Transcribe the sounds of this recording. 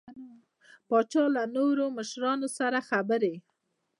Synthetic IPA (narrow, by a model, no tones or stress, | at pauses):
pɑt͡ʃɑlanoɾoməʃɾɑnosaɾaxabəɾe